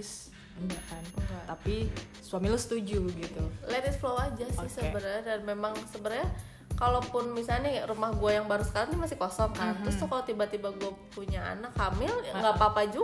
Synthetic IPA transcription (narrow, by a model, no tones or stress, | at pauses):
s | ɲakanat̪api | suamilʊsə̥t̪ud͡ʒuɡit̪ulɛɾɪsflowad͡ʒasɪhsəbəɾadanmemaŋsəbəɾa | kalopʊnmisalnirumahɡuajaŋbaɾusə̥kaɾaŋt̪imasɪhkosɔŋkant̪ɾʊst̪ʊhkalot̪ibat̪ibaɡuapuɲaa̰nakhamɪlŋɡapapad͡ʒu